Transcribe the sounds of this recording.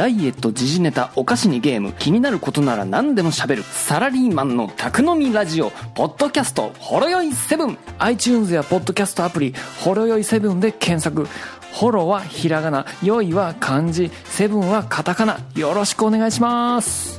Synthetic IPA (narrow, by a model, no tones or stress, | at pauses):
d̪̥aie̞t̪ːo̞d͡ʑiʑine̞t̪ao̞kaɕiɲ̟iɡe̞ːmɯ̟̰kʲiɲ̟inaɾɯ̟ko̞t̪o̞naɾa̰nãnd̪e̞mo̞ɕabe̞ɾɯ̟saɾaɾʲiːmãnːo̞̰t̪ʰakɯ̟no̞mʲiɾaʑio̞po̞d̪̥ːo̞kʲasɨ̥t̪o̞̰ho̞ɾo̞jo̞ise̞bɯ̟̃ŋait͡ɕɨːnzɨjapo̞d̪ːo̞kʲasɨ̥t̪o̞apɯ̟ɾʲiho̞ɾo̞jo̞ise̞bɯ̟̃nd̪e̞kʰẽ̞ɰ̃sakɯ̟ | ho̞ɾo̞βaçiɾaɡanajo̞iβakʰãɲ̟d͡ʑi | se̞bɯ̟̃ɰ̃βakʰat̪akanajo̞ɾo̞ɕi̥kɯ̟one̞ɡaiɕimasɨ̥